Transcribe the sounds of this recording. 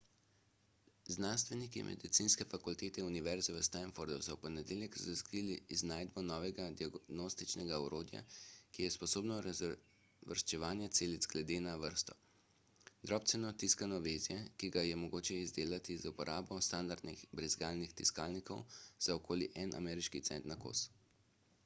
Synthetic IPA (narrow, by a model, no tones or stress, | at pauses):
znanst̪ʋɛnikimʔɛ̰d̪it̪sinskɛfakult̪eːt̪ɛuniʋɛɾzɛʋəst̪anfoɾd̪usɔwpɔnɛd̪eːljɛkzaskɾiːliːznaːjd̪̚bɔnɔːʋɛɡad̪iaɡnost̪it͡ʃnɛɡaɔɾoːd̪ja̰kijɛspɔsoːbnɔ | ʋəɾst͡ʃɛʋaːnjɛt̪seːlit̪zɡlɛd̪eːnaʋəɾst̪ɔ̥ | d̪ɾɔːp̚t̪sɛnɔt̪iskanɔʋeːzjɛkiɡajɛmɔɡoːt͡ʃɛizd̪eːlat̪izupɔɾʔaːbɔst̪and̪aɾd̪nixbɾizɡaːlnixt̪ḭskaːlnikɔwz̥aɔkoːliʔɛnʔa̰mɛːɾiʃkit̪sɛnt̪nako̰s